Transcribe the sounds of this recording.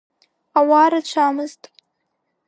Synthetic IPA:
awɑːɾat͡ʃʷʰaːmɨzt̪ʼ

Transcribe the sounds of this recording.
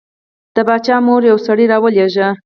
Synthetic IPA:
d̪̥əbɑt͡ʃɑmoɾjawsaɽiɾɑwəleʒə

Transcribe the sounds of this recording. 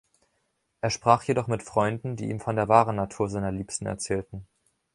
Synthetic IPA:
ʔeːɐʃpʁ̥aːχjedɔχmɪtfʁ̥ɔʏndn̩dḭːʔiːmfɔndeːɐvaːʁənːatʰuːɐzaɪnɐliːpstn̩ɛ̰ɐt͡sɛːltn̩

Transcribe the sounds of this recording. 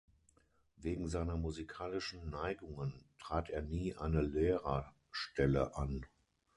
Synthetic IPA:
veːɡŋ̩zaɪnɐmuzikʰaːlɪʃn̩ːaɪɡʊŋəntʁ̥aːteːɐniːʔa̰ɪnəleːʁɐ | ʃtɛlə̰ʔan

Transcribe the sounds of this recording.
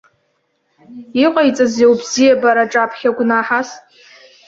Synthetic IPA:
iqʼajt͡sʼazewbzijabaɾaʈ͡ʂʼapʰχʲaɡʷnaħas

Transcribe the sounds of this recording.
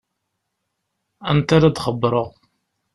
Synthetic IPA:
ænt̪aɾad̪χəbːɾˤəʁ

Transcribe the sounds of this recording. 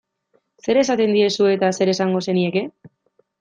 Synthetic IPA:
se̞ɾe̞sat̪e̞nd̪ie̞sue̞t̪ase̞ɾe̞saŋɡo̞se̞nie̞ke̞

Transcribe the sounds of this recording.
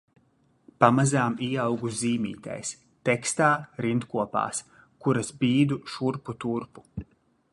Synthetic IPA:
pamazaːmiɛɑwɡusziːmʲḭːt̪a̰js | t̪ɛkst̪aːɾint̪kuɔpa̰ːs | kuɾasbʲiːd̪uʃuɾput̪uɾpu̥

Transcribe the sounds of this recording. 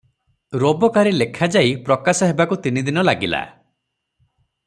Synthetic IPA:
ɾobɔkaɾilekʰad͡ʒaipɾɔkasɔɦebakut̪inid̪inɔlaɡila̰

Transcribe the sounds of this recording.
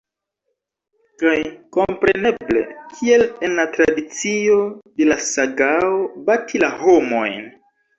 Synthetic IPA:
kajko̞mpɾe̞ne̞ble̞̰kʰie̞le̞nlatɾadit͡sio̞de̞lasaɡaobatʰilaho̞mo̞̰jn

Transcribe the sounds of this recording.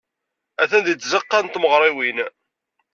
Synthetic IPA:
æθænd̪it͡sːzəqːɑnt̪məʁɾˤɪwin

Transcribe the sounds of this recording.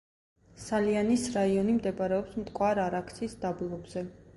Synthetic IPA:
salianisɾaiɔnimd̪ɛbaɾɛɔpsmt̪ʼkʼwaɾaɾakʰsʰiːsd̪abulˠɔbzɛ

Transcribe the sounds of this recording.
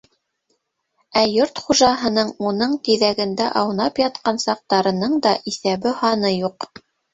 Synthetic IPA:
æjoɾt̪χuʒɑɦɤ̆nɤɴunɤɴkiðæɡɘ̆nd̪æʔɑwnɑpjɑt̪qɑnsɑq̚t̪ɑɾɤ̆nɤɴd̪ɑʔiθæβɘhɑnɤjuq

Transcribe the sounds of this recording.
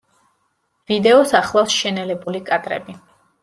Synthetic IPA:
v̥id̪ɛɔsaχlˠafsʃɛnɛlɛbulikʼad̪ʼɾɛ̰bi

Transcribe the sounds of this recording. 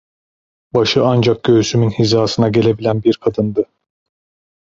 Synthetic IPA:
baʃɯand͡ʒak̚ɟ̥øysymynhizaːsɯnaɟe̞lʲe̞bilʲænbiɾkʰad̪ɯnd̪ɯ

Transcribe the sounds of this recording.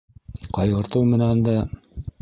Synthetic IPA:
qɑjʁɤ̆ɾt̪ɤwmɘ̆nænd̪æ

